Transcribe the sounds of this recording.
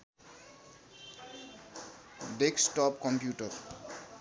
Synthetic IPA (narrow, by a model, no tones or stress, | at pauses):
ɖeksʈɔpkɔmpjuʈʌɾ